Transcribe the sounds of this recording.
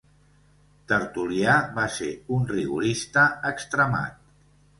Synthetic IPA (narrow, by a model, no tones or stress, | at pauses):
t̪əɾt̪uliaβasḛunriɣṵɾist̪əəkst̪ɾəma̰t̪̚